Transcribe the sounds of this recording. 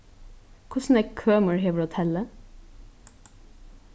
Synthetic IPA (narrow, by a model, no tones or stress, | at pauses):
kʰʊsn̩eːkʰøːməɹheːʋɹɔt̪ʰɛlə